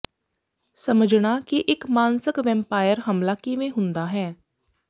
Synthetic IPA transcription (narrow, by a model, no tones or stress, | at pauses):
səməd͡ʒɳaːkiʔɪkmaːnsɪkʋɛ̃mpaːjəɾɦəmlaːkɪʋẽːɦʊ̃nd̪aːɦɛː